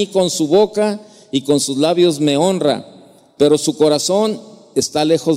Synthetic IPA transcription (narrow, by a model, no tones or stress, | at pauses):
iko̞nsuβo̞ka | iko̞nsuzlaβjo̞zme̞o̞nra̰ | pe̞ɾo̞suko̞ɾaso̞n | e̞st̪ale̞xo̞z